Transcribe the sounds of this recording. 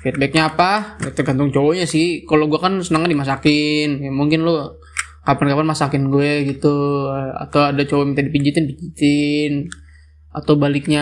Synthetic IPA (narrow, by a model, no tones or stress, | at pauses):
fɛt̪̚bɛk̚ɲaːpaat̪ərɡant̪̬ʊŋt͡ʃowɔɲasɪhkaloɡuakansənaŋkandimas̬akɪnjamuŋkɪnlɔ | kapankapanmasakɪnɡuɛɡit̪ua̰t̪awadat͡ʃowamint̪adipid͡ʒit̪ɪnpid͡ʒit̪ɪn | at̪awbalɪk̚ɲa